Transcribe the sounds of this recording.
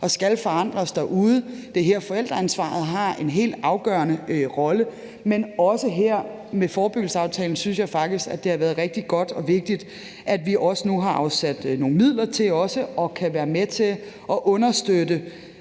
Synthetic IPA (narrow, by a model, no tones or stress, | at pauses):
ɒ̽sɡ̥ælfɒ̽ɑ̈n̰d̥ʁɐsd̥æʔuð̞ˠəd̥e̝ɦeɐ̰fɒ̽el̰d̥ʁɐænsʋɑ̰̈ːð̞̩ˠɦɑ̈e̝nɦe̝̰ːld̥ɑ̈ʊɡ̥ɶɐnəʁɒ̽lə | menɒ̽səɦeɐ̰ | mefɒːb̥øɡ̥l̩səɑ̈ʊt͡sʰɛːln̩synsjɑ̈ɪfɑ̈ɡ̥̚d̥isɡ̥ædd̥e̝hɑʋæːɐð̩ˠʁɛɡ̥d̥iɡ̥ɒ̽d̥ɒ̽ʋe̝ɡ̥̚d̥id̥ | ʔæd̥ʋiʔɒ̽sənuɦɑ̈ʔɑ̈ʊsæd̥no̝ːŋ̩mið̞̰ˠlɐt͡sʰe̝ɒ̽səɒ̽kʰæʋæːɐmet͡sʰe̝ | ʔɒ̽ʔɔ̽nɐsd̥ødə